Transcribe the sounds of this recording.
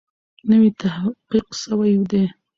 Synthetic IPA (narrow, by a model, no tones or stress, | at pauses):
nəwit̪ahqiqsəwajud̪e